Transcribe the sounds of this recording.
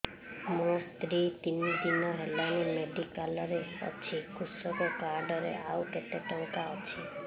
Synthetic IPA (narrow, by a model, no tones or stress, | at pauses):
mɔ̃t̪ɾit̪inːid̪imãɦɛlanimeɖikaləɾeə̰t͡ʃʰikʰʊsəkokaɾɖəɾḛaʋket̪eʈə̃ŋkaɔt͡ʃʰe